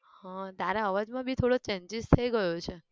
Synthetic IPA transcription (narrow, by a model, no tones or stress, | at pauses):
hãd̪aɾaəʋad͡ʒmãbʱit̪ʰoɽot͡ʃɛɲd͡ʒizt̪ʰəiɡəjot͡ʃʰe